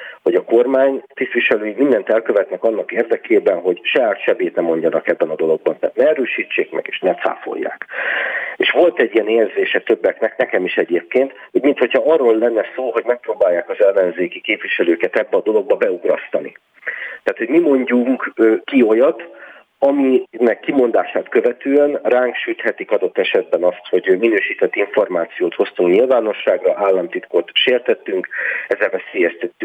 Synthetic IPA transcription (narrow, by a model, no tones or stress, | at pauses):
ho̞ɟɒko̞rmaːɲt̪ist̪vʋiʃɛløːjimind̪ɛnt̪ɛlkø̞vɛt̪nɛkɒnːɒkeːrd̪ɛkʰeːbɛnɦo̞ɟʃɒjaːt̪ʃɛbeːt̪nɛmo̞ɲɟɒnɒkɛbːɛnɒd̪o̞lo̞ɡ̚bɒnt̪a̰ːt̪nɛɛɾøːʃiːt͡ʃːeːkmɛ̰ɡeːʃnɛsa̰ːfo̞̰jːa̰ːk | eːʃʋo̞lt̪ɛɟːiɛneːrzeːʃɛt̪ø̞bːɛknɛknɛkɛmiʃɛɟeːp̚keːnt̪hoɟmint̪ho̞chɒɒrːolːɛnːɛsoːɦo̞ɟmɛk̚proːbaːjːaːkɒzɛlːɛnzeːkikeːpviʃɛløːkɛt̪ɛbːɛɒd̪o̞lo̞ɡ̚bɒbɛuɡɾɒst̪ɒnḭ | t̪ɛaːt̪ho̞ɟmimo̞ɲɟuŋkøkio̞jɒt̪ | ɒminɛkːimo̞nd̪aːʃaːt̪kø̞vɛt̪øːɛnraːŋkʃyt̪hɛt̪ikɒd̪ot̪ːɛʃɛd̪̚bɛnɒst̪ho̞ɟminøːʃiːt̪ɛt̪ːiɱfo̞rmaːt̪sijoːt̪ho̞st̪uŋkɲilvaːno̞ʃːaːɡrɒʔaːlːɒmt̪it̪kot̪ʃeːrt̪ɛt̪ːyŋkɛzːɛlvɛseːjɛst̪ɛt̪ːy